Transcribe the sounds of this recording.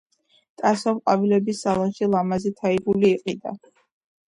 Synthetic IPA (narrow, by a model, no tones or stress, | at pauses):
t̪ʼasɔmqʼavilɛbisalˠɔnʃilˠamazɛt̪ʰaiɡuliːqʼid̪a̰